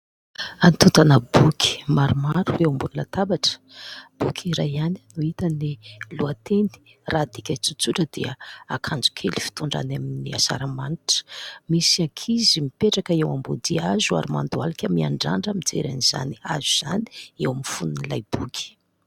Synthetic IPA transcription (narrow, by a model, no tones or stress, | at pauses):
anit̪ut̪anəbukʲʰi̥maɾumaɾuewambunulat̪abaʈ͡ʂə̥ | b̥ukʰiɾajannuit̪əniluat̪eni̥ | rad̪ikʲat͡sut͡suʈ͡ʂəd̪̥iə̰akʰand͡zu̥kʰelifi̥t̪uɳɖ͡ʐa̰naminia̰sa̰ɾamaniʈ͡ʂə̥misiakʰizimipeʈ͡ʂakəewambod̪iazua̰ɾima̰nd̪ualakʲəmia̰ɳɖ͡ʐa̰ɳɖ͡ʐəmid͡zḛɾa̰niz̥a̰niazuz̥a̰ni̥ewamifununilajbukʰʲi̥